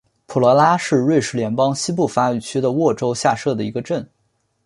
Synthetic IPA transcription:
pʰu˨˩lɔ˧˥la˥ʂɻ̩˥˧ɻwe˥˩ɪʂɻ̩˧˥ljɛ˧˥npɑ˥ŋɕi˥p̬u˥˩fa˥y˨˩t͡ɕʰy˥d̪ə˨wɔ˥˩ʈ͡ʂo˥ʊɕja˥˧ʂɤ˥˩d̪ə˩i˧˥ɡə˧ʈ͡ʂə˥˩n

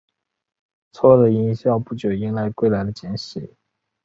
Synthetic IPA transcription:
t͡sʰwɔ˥˩d̪ə˨i˧˥ŋɕjɑ˥˧˩ʊpu˥˩t͡ɕjo˨˩ʊi˧˥ŋla˧˥˧ɪkwe˥˩ɪla˧˥ɪd̪ə˧t͡ɕjɛ˧˥nɕi˨˩˦

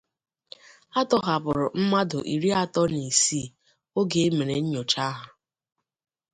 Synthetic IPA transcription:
a˦tɔ˦ɦa˨bʊ˨ɾʊ˨m̩˦ma˦dʊ̰˨ʔi˨ɾi˦a˦tɔ˦ni˨si˦˨ | o˦ɡe˦e˦me˨ne˨ɲ̩˦ɲo˨t͡ʃa˦ɦʊ˨

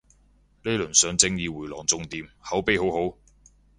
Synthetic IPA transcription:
le˥lɵ˨˩nsœː˨˧ŋt͡sɪ˧ŋjiː˨˧wuː˨˩jlɔ̰ː˨˩ŋt͡sʊ˧ŋt̪iː˧mhɐ˨˥wpe˧˥jho˨˥who˨˥w

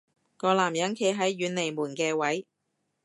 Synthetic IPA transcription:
kɔː˧laː˨˩mjɐ˨˥ŋkʰe˨˥jɦɐ˨˥jːyː˨˥nle˨˩jmuː˨˩nkɛː˧wɐ˨˥j

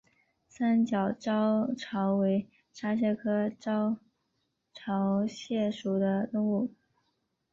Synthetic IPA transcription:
sa˥nt͡ɕjɑ˨˩ʊʈ͡ʂɑ˥ʊʈ͡ʂʰɑ˧˥ʊwe˧˥ɪ | ʂa˥ɕ̬jɛ˥˩kʰɤ˥ʈ͡ʂɑ˥ʊ | ʈ͡ʂʰɑ˧˥ʊɕjɛ˥˩ʂu˨˩d̪ə˦t̪ʊ˥˧ŋu˥˩

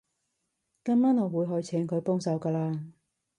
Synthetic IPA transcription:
kɐ˥mmaː˥nɔː˨˧wuː˨˧jɦɔ˨˧jt͡sʰɛː˨˥ŋkʰɵ˨˧ɥpɔː˥ŋsɐ˨˧wkaː˧laː˧

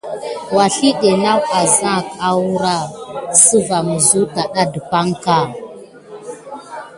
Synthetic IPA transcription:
wa˨ɬi˦ɗe˨na˦wa˨za˦˨ka˨wu˦ɾa˦˨sə˦va˨mu˨zu˦ta˨ɗa˦də˨pa˦ŋka˦˨

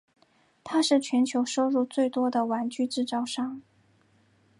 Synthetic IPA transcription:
t̪ʰa˥ʂɻ̩˥˩t͡ɕʰɥɛ˧˥nt͡ɕʰjo˧˥ʊʂo˥ʊɻu˥˧t͡swe˥˩ɪt̪wɔ˥d̪ə˨wa˧˥nt͡ɕy˥˧ʈ͡ʂɻ̩˥˧t͡sɑ˥˧ʊʂɑ˥˩ŋ

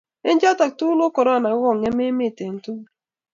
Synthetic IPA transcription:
e˦nd͡ʒa˦ta˨k̚tu˦lo˦kɔ˨ɾa˦˨na˨˦wɔ˦˨ŋɛ˦me˦mɪ˦˨te˨n˨tu˦

